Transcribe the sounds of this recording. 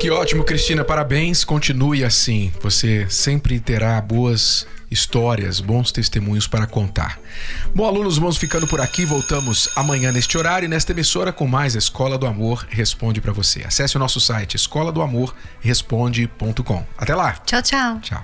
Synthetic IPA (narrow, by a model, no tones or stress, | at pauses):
kiɔt͡ʃimʊkɾist͡ʃĩnɐpaɾabẽj̃skõnt͡ʃinujasĩvosesẽpɾɪt̪eɾaboɐzist̪ɔɾiɐ̰sbõw̃st̪est̪emũɲʊspaɾɐkõnt̪a̰ɾ | bõalũnʊzvmɐ̃w̃sfikɐ̃nd̪ʊpʊɾakivowt̪ɐ̃mʊz̥amɐ̃ɲɐ̃nest͡ʃɪoɾaɾjʊinɛst̪ɐemisoɾɐkõmajzɐiskɔlɐd̪ʊamoɾhespõnd͡ʒɪpɾɐvosḛa̰sɛsɪʊnɔsʊsajt͡ʃɪeskɔlɐd̪ʊamoɾ | hespõd͡ʒɪpõnt̪ʊkõa̰t̪ɛlat͡ʃawt͡ʃawt͡ʃa̰w